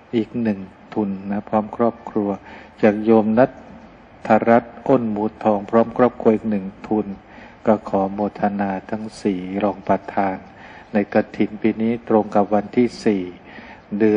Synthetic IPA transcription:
ʔiː˨˩k̚nɯ˨˩ŋt̪ʰu˧nːa˦˥pʰɾɔː˦˥˩mkʰɾɔː˥˩p̚kʰɾu˧ɐt͡ɕaː˨˩k̚joː˧mna˦˥t̪ʰː | a˧ɾa˦˥t̪̚ʔo˥˩nmuː˨˦t̪ʰːɔː˧ŋpʰɾɔː˦˥mkʰɾɔː˥˩p̚kʰɾu˧ɐʔiː˨˩k̚nɯ˨˩ŋt̪ʰu˧n | kɔː˥˩kʰɔː˩˦moː˧˩t̪ʰa˧naː˧t̪ʰa˦˥ŋsiː˨˩ɾoː˧ŋpɾa˧t̪ʰaː˧nː | a˧jka˧t̪ʰi˩˦npiː˧niː˦˥˩t̪ɾo˧ŋka˨˩p̚wa˧nt̪ʰiː˥˩siː˨˩ | dɯ˧

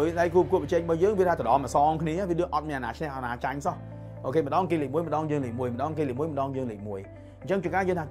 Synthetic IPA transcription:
əjɗa˧jku˧p̚ku˧əpə˨˩t͡ɕɛː˧k̚ɓaː˧jəː˧ŋʋi˧ət̪ʰaː˧t̪ə˨ɗɑː˨˧mə˨sɔ˧ŋkʰni˧əʋi˧˦ɗɨ˧əŋʔɑ˧t̪̚mi˧əna˨naː˨˧t͡ɕʰnɛ˧hʔa˨naː˧˩t͡ɕa˧ŋsɔ˧h | ʔoː˧kʰeː˧mə˨˩ɗɑː˧ŋke˧ləː˨k̚mu˧əjmə˨ɗɑ˧ŋjəː˧ŋləː˨˩k̚mu˧əjmə˨˩ɗɑː˧ŋk̬eː˧ləː˨mu˧əjmə˨˩ɗɑ˧ŋjəː˧ŋləː˨k̚mu˧əj | ɲt͡ɕə˧ŋt͡ɕi˧əŋkaː˧jəː˧nt̪ʰaː˧

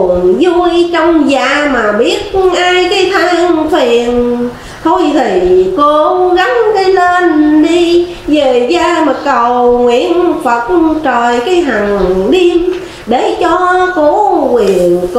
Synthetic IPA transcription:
nzu˧jt͡ɕɔ˧wŋ͡mzaː˧˨˩maː˨˩ɓi˦˥ət̚ʔaː˧jkaː˨˦jt̪ʰə˧nt̪ʰwi˨˩˨ən | t̪ʰo˧jt̪ʰi˨˩ko˧˦ɣa˨˦ŋkaː˨˦jle˧nɗi˧ | ve˨˩zaː˧mə˨˩t̚kə˨˩wŋwḭ˧˨ənfə˨˩t̚t͡ɕə˨˩jkaː˨˦jɦa˨˩ŋɗi˧əm | ɗe˧˩t͡ɕɔ˧ko˨˦kwi˨˩ənk

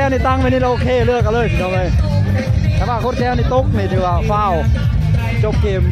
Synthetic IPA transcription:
ɛː˧˥wni˧˩t̪a˧˥˨ŋwniː˧˥˩la˧ʔoː˧kʰeː˧˩lɯ˥˩ək̚ːa˧lɤː˧˩jpːnɔ˧˩laː˧˩j | t̪ʰɛ˧˩waː˧˩kʰo˧˥˩kɛː˧˥wniː˧˩t̪o˦˥k̚ni˧˩t̪ʰɯː˨˦˩waː˧˩fa˧˩˨w | t͡ɕo˧˥p̚kʰeː˨˩m

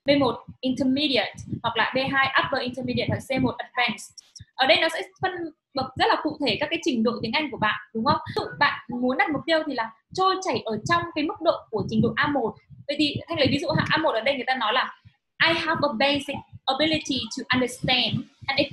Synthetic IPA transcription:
ɓe˧mo˨˩t̚ʔi˧ntə˧mi˧ɾi˧˨ə˨˩t̚hwa˨˩k̚la̰ː˨˩ɓe˧ɦaː˧jʔa˦˥p̚və˧ʔi˧ntə˧mi˧ɗi˧˨ə˨˩t̚wa˨˩se˧mo˨˩t̚ʔə˨˩vɛ˧nsʔəː˧˩ɗə˧jnɔ˨˦sɛ̰˧˥fə˧n | ɓə˨˩k̚zə˦˥t̚laː˨˩kṵ˧˨t̪ʰe˧˩kaː˦˥kːaː˨˦jt͡ɕï˧˩ŋ̟ɗo̰˧˨t̪i˨˦əŋʔa˧jŋ̟ku˧˩əɓa̰ː˧˨nɗʊ˨˦ŋ͡mhə˧˦wŋ͡mɨ̰˧˨ɓa̰ː˧˨nmu˨˦nɗa˨˩m˨˩k͡p̚t̪i˧əwt̪ʰi˨˩laː˨˩ | t͡ɕo˧jt͡ɕa˧˩jʔəː˧˩t͡ɕɔ˧wŋ͡mkaː˨˦jmɨ˦˥k̚ɗo̰˧˨ku˧˩ət͡ɕï˨˦ŋ̟ɗo̰˧˨ʔaː˧mo˨˩t̚və̰˨jt̪ʰi˨˩t̪ʰa˧jŋ̟lə˨˦vi˨˦zṵ˧˨ɦa̰ː˧˨ʔaː˧mo˨˩t̚ʔəː˩ɗə˧jŋɨ˨˩əjt̪a˧nɔ˨˦jlaː˨˩ | ʔaː˨˧jɦa˧və˨be˧jsi˨k̚ʔə˨˧bi˦li˧ti˨tʰu˨˩ʔə˨ndə˨˩st̪ɛ˧ndʔɛ˨ni˨˦

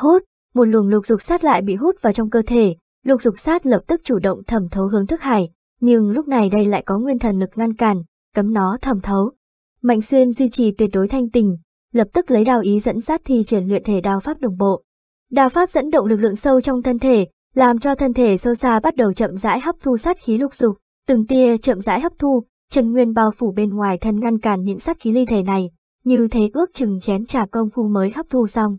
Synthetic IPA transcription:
hu˦˥t̚ | mo˨˩t̚lu˨˩ənlʊ˨˩k̚zʊ˨˩k͡p̚saː˦˥t̚la̰ː˧˨jɓḭ˧˨ɦu˦˥t̚vaː˨˩t͡ɕɔ˧wŋ͡mkəː˧t̪ʰe˧˩ | lʊ˨˩k̚zʊ˨˩k͡p̚saː˦˥t̚lə˨˩p̚t̪ɨ˦˥k̚t͡ɕu˧˩ɗə̰˧˨wŋ͡mt̪ʰə˨˧˩mt̪ʰə˨˦wɦɨ˨˦əŋt̪ʰɨ˦˥k̚haː˧˩j | ɲɨ˧ŋlʊ˦˥k͡p̚na˨˩jɗə˧jla̰ː˧˨jkɔ˨˦ŋwi˧ənt̪ʰə˨˩nlɨ˨˩k̚ŋa˧nkaː˧˩n | kə˨˦mnɔ˨˦t̪ʰə˨˩mt̪ʰə˨˦w | ma̰˧˨jŋ̟swi˧ənzwi˧t͡ɕi˨˩t̪wi˨˩ət̚ɗo˨˦jt̪ʰa˧jŋ̟t̪ï˨˩ŋ̟ | lə˨˩p̚t̪ɨ˦˥k̚lə˨˦jɗaː˧˩wʔi˨˦zə̰˧˥nsaː˦˥t̚t̪ʰi˧t͡ɕi˧˩ənlwḭ˧˨ənt̪ʰe˧˩ɗaː˨˩wfaː˦˥p̚ɗə̰˧˨wŋ͡mɓo̰˧˨ | ɗaː˨˩wfaː˦˥p̚zə̰˧˥nɗə̰˧˨ŋ͡mlɨ˨˩k̚lɨ̰˧˨əŋsə˧wt͡ɕɔ˧wŋ͡mt̪ʰə˧nt̪ʰe˧˩ | laː˨˩mt͡ɕɔ˧t̪ʰə˧nt̪ʰe˧˩sə˧wsaː˧ɓa˦˥t̚ɗə˨˩wt͡ɕə̰˧˨mza̰ː˧˥jɦa˦˥k͡p̚t̪ʰu˧sa˦˥t̚xi˨˦lʊ˨˩k͡p̚zʊ˨˩k͡p̚ | t̪ɨ˨˩ŋt̪i˧ət͡ɕə̰˧˨mza̰ː˧˥jɦa˦˥p̚t̪ʰu˧ | t͡ɕə˨˩nŋwi˧ənɓaː˨˧˩wfu˧˩ɓe˧nŋwaː˨˩jt̪ʰə˧nŋa˧nkaː˧˩nɲɨ̰˧˥ŋsa˦˥t̚xi˨˦li˧t̪ʰe˧˩na˨˩j | ɲi˨˩əwt̪ʰe˨˦kɨ˦˥ək̚t͡ɕɨ˨˩ŋt͡ɕɛ˨˦nt͡ɕaː˧˩kə˧wŋ͡mxu˧məː˨˦jxa˦˥p̚t̪ʰu˧sa˧wŋ͡m

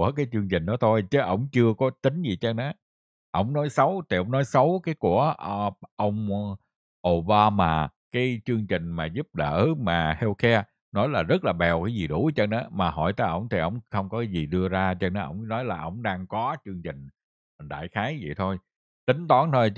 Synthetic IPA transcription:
əkaː˨˦jt͡ɕɨ˧ŋt͡ɕï˨˩ŋ̟ɗɔ˨˦t̪ʰo˧jt͡ɕə˨˦ʔə̰˧˩wŋ͡mt͡ɕɨ˧əkɔ˨˦t̪ï˨˦ŋ̟zi˨˩t͡ɕə˧ŋʔa˨˦ | ʔə̰˧˩wŋ͡mnɔ˨˦jsə˨˦wt̪ʰi˨˩ʔə˧wŋ͡mnɔ˨˦jsə˨˦wkaː˨˦jku˧˩əʔə˧wŋ͡m | ʔo˧˩ɓaː˧maː˧˩ | kaː˨˦jt͡ɕɨ˧əŋt͡ɕï˨˩ŋ̟maː˨˩zu˦˥p̚ɗə̰ː˧˩maː˨˩hɛ˧wkɛ˧ | nɔ˨˦jlaː˨˩zə˦˥t̚laː˨˩ɓɛ˨˩wkaː˨˦jzi˨˩ɗu˧˩˦t͡ɕə˧nʔa˨˦maː˨˩ɦɔ̰˧˩jt̪əː˨˦jʔə̰˧˩wŋ͡mt̪ʰi˨˩ʔə̰˧˩wŋ͡mxə˧wŋ͡mkɔ˨˦kaː˨˦jzi˨˩ɗɨ˧əzaː˧t͡ɕə˧ŋna˨˦ʔə̰˧˩wŋ͡mnɔ˨˦jlaː˨˩ʔə̰˧˩wŋ͡mɗaː˧ŋkɔ˨˦t͡ɕɨ˧əŋt͡ɕï˨˩ŋ̟ | ɗa̰ː˧˨jxaː˨˦jvḭ˧˨jt̪ʰo˧j | t̪ï˨˦ŋ̟t̪ɔ˨˦nt̪ʰo˧j

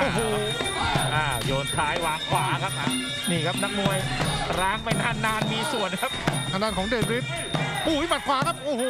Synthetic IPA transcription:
ʔʔaː˧˩ɦo˧ | ʔaː˧˩joː˧nt͡ɕʰaː˦˥jwaː˨˥ŋkʰwaː˧kʰa˦˥p̚ʔaː˧˩ | niː˧˩kʰa˦˥p̚na˦˥k̚nu˧əjɾaː˦˥ŋma˥˩jnaː˧˩nːaː˧nmiː˧su˨˩ənkʰa˦˥p̚t̪ʰa˧naː˧˩nkɔː˨˦ŋdeː˧kɾi˦˥t̪̚ | uː˧˩i˦˩ma˨˩t̪̚kʰwaː˧kʰa˦˥p̚ʔoː˧˩hoː˨˧˩

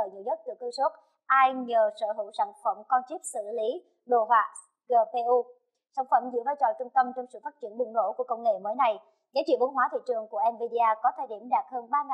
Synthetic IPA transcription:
əː˧˨˩jɲɨ̰˧˨ɲə˦˥t̚ɗɨ˨˩kːə˧su˦˥t̚ | ʔaː˧jɲəː˨˩səː˧˩ɦɨ˧˩wsaː˧˩ŋfə˧˩mkɔ˧nt͡ɕi˦˥əp̚sɨ̰˧˨li˨˦ | ɗo˧˩vaː˧˩ | ɣəː˧˩pe˧ʔu˧ | saː˧˩ŋfə˧˩mzɨ̰˧˥əvaː˧jt͡ɕɔ̰˧˨t͡ɕʊ˧ŋ͡mt̪ə˧mt͡ɕɔ˧wŋ͡msɨ̰˧˨faː˦˥t̚t͡ɕḭ˧˩ənɓɨ˨˩ŋɗo̰˧˥˨ku˧˩əkə˧wŋ͡mŋḛ˧˨məː˨˦jna˨˩j | zaː˨˦jt͡ɕwḭ˧˨əɓwnɦwaː˨˦t̪ʰḭ˧˨t͡ɕɨ˨˩əŋku˧˩əʔɛ˧mvi˧ɗi˧aː˧kɔ˨˦t̪ʰaː˧jɗḭ˧˩əmɗaː˨˩t̚həː˧nɓaː˧ŋa˨

